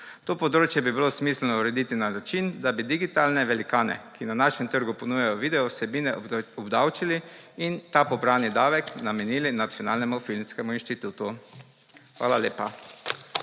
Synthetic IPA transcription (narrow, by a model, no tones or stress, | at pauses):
t̪oːpɔd̪ɾoːt͡ʃjɛbibilosmislɛnɔuɾɛd̪it̪inanat͡ʃind̪abid̪iɡit̪aːlnɛʋɛlikaːnɛ̰kinanaʃɛmt̪əɾɡupɔnujajɔʋid̪ɛɔsɛbiːnɛɔbd̪awt͡ʃiliint̪apɔbɾaːnid̪aːʋɛknamɛniːlinat̪sjɔna̰ːlnɛmufilmskɛmuinʃt̪it̪uːt̪u | xʋa̰ːlaleːpa